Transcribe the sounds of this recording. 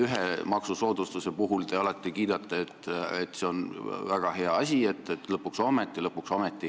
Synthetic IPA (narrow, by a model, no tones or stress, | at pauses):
yɦe̞mɑksuso̞ːd̪̥ust̪use̞puɦult̪e̞ɑlɑt̪ːˑikiːd̪̥ɑt̪ːˑeet̪ːˑet̪ːˑse̞o̞nvæɡ̥ɑhe̞ɑɑsʲie̞t̪ːˑet̪ːlɤpːˑuksomet̪ːˑilɤpːˑuksomet̪ːˑi